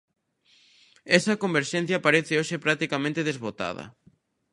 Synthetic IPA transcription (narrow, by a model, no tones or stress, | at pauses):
ɛsɐkombeɾʃɛ̃n̟θjɐpaɾeθeoʃepɾak̚t̪ikamẽnt̪eðezβot̪a̰ðɐ̰